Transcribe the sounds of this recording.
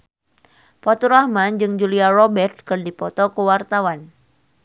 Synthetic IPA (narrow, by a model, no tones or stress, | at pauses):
pɔt̪uɾahmand͡ʒɨŋd͡ʒuliarɔbɛrt̪̚kɨrdipɔt̪ɔkəwart̪awan